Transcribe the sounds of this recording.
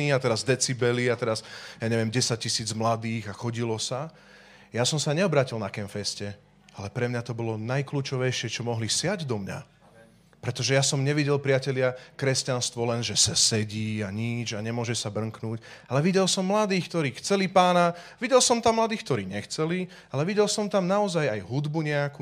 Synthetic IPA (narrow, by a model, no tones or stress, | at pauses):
iat̪ɛɾazd̪ɛt͡sibɛliat̪ɛɾasjaːɲɛʋɪɛmɟɛsac̚cːisiːd͡zmlad̪iːɣaxɔɟilɔsa | jasɔmsaɲɛɔbɾaːcilˠnakɛmfɛscɛ | alɛpɾɛmɲat̪ɔbɔlɔnajkluːt͡ʃɔʋɛjʃɪɛt͡ʃɔmɔɦlisɪaɟd̪ɔmɲa̰ | pɾɛt̪ɔʒɛjasɔmɲɛʋiɟɛlpɾɪacɛlɪakɾɛscanst̪ʋɔlɛnʒɛsasɛɟiːaɲid͡ʒaɲɛmʊɔʒɛsabr̩ŋknuːcalɛʋiɟɛlsɔmːlad̪iːxkt̪ɔɾiːxt͡sɛlipaːnaʋiɟɛlsɔmt̪amːlad̪iːxkt̪ɔɾiːɲɛxt͡sɛli | alɛʋiɟɛlsɔmt̪amnaɔzajajɦud̪buɲɛaku